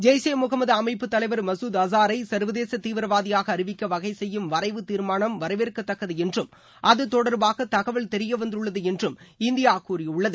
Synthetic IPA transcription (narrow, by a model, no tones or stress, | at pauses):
d͡ʒeːjseːmʊɣɐmɐðɐɐmɐɪpːɯt̪ːɐlɐɪʋɐɾmɐsuːd̪ɐsaːɾɐɪsɐɾʋɐðeːsɐt̪ːiːʋɪɾɐʋaːðɪjaːɣɐːɾɪʋɪkːɐʋɐɣɐɪsɛjːɯmʋɐɾɐɪʋɯt̪iːɾmaːɳɐmʋɐɾɐɪʋeːɾkːɐt̪ːɐkːɐðɯɛndrɯm | ʔɐðɯt̪ɔɽɐɾbaːɣɐt̪ɐɣɐʋɐɭt̪ɛɾɪjɐʋɐnd̪ɯɭːɐðɯɛndrɯmɪnd̪ɪjaːkːuːɾɪʊɭːɐðɯ